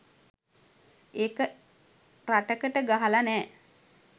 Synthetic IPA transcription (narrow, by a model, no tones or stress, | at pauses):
ekə | raʈəkəʈəɡaɦalanɛː